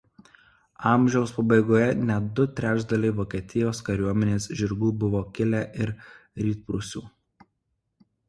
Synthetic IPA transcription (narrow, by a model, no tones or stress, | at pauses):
ɑˑmʲʒʲɛʊspɐbɐɪɡoːjɛnʲɛd̪ʊt̪ʲɾʲæːd͡ʒd̪ɐlʲɛɪʋoːkʲiɛt̪ʲɪjoːskɐɾʲuɔmʲɛnʲeːsʒʲɪɾɡuːbʊʋoːkʲɪlʲæʔɪɾ | ɾʲiːt̪̚pɾʊsʲṵː